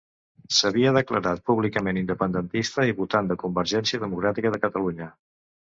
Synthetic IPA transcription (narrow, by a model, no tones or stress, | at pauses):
səβiəð̞əkləɾat̪̚puβlikəmenind̪əpənd̪ənt̪ist̪əiβut̪and̪əkumbəɾʒɛnsiəðəmukɾat̪ikəð̞əkət̪əluɲə